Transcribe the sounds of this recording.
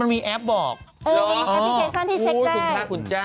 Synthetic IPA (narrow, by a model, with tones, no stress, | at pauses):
a˧nmiː˧ʔɛ˦˥p̚bɔː˨˩k̚ʔoː˧˩˧ɔ˨˧˥ke˨˩sɔː˥˩nt̪ʰiː˥˩e˦˧a˧˥˩kʰaː˦˥˩kʰu˧nt͡ɕa˦˥˩